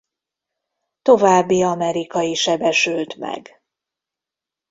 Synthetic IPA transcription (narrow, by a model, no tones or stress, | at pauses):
t̪o̞vaːbːiɒmɛɾikɒjiʃɛbɛʃylt̪mɛ̰ɡ